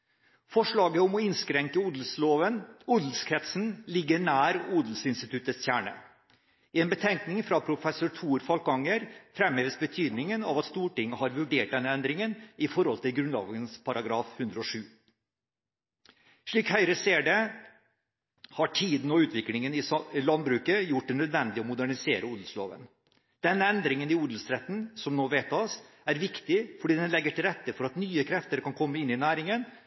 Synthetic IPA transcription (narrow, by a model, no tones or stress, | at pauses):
fɔʂɭɑːɡəɔmɔɪnskɾɛŋkəuːd̪l̩sloːʋənuːd̪l̩skʰɾɛt̪sn̩lɪɡːəɳæːɾuːd̪l̩sɪnst̪ɪt̪ʰʉt̪ːəstjæːɳə̰ | ɪɛːnbət̪ʰɛŋknɪŋfɾɑpʰɾʊfɛsʊʈʰuːɾfɑlkɑŋəɾfɾɛmheːʋəsbət̪ʰyːd̪nɪŋənɑ̰ʋɑt̪st̪uːʈɪŋːəhɑɾʋʉɖeːʈ̚d̪ɛnːəɛnd̪ɾɪŋənʔɪfɔɾhɔlt̪ɪlɡɾʉnlɑ̰ːɡənspʰɑɾʔɑɡɾɑːfhʉnd̪ɾəɔʂʉː | ʂɭiːkhœʏɾəseːɖɛ | hɑʈʰiːd̪n̩ɔʉːt̪ʰʋɪklɪŋənɪlɑnbɾʉːkəjʊʈ̚d̪ɛnœd̪ʋɛnd̪ɪɔmʊd̪æɳɪseːɾʔəuːd̪l̩slo̰ːʋə̰n | d̪̥ɛnːəɛnd̪ɾɪŋənɪuːd̪l̩sɾɛt̪ːn̩sɔmnoːʋeːt̪ːɑs | æɾʋɪkt̪ɪfɔɖiːd̪ɛnlɛɡːəʈɪlɾɛt̪ːəfɔɾɑt̪nyːəkʰɾɛft̪əɾkɑnkʰɔmːəɪnːɪnæːɾɪŋən